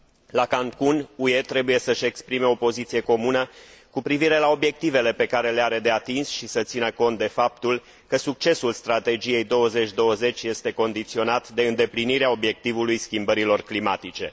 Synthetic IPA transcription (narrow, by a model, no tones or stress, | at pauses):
lakaŋkunue̞t̪ɾe̞buje̞səʃe̞kspɾime̞o̞po̞zit̪sije̞ko̞munəkupɾiviɾe̞lao̞bjek̚t̪ive̞le̞pe̞kaɾe̞leaɾe̞d̪eat̪insʃisət̪sinəko̞nt̪̚d̪e̞fap̚t̪ul | kəsuk̚t͡ʃe̞sulst̪ɾat̪e̞d͡ʒije̞jd̪o̞wəze̞t͡ʃʲd̪o̞wəze̞t͡ʃʲje̞st̪e̞ko̞nd̪it̪sio̞nat̪d̪e̞ɨnd̪e̞pliniɾeao̞bje̞k̚t̪ivulujskʲimbəɾilo̞rklimat̪it͡ʃe̞